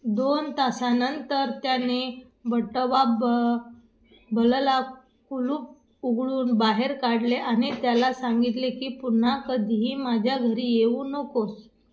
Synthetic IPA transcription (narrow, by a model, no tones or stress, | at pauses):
d̪ont̪asanənt̪əɾt̪jane | bəʈəʋab | bəlla | kuluːp̚ | uɡɭuːnbaɦeɾkaɽleʔaɽ̃it̪jalasaŋɡit̪lekiːpun̤akəd̪ʱiɦiːmad͡ʑʱjaɡʱəɾiːjeũːnəkos